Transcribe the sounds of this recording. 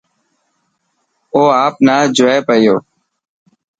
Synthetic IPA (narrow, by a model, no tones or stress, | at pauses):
oːaːp̚naːd͡ʒʊʋeːpəɪjoː